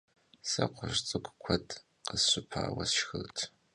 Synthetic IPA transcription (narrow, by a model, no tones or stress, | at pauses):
sɐqʷʊʒt͡sʼɨkʷʼkʷʰɐtʰʼ | qəsɕʷɪpʰaːwɐsʃxɨltʰ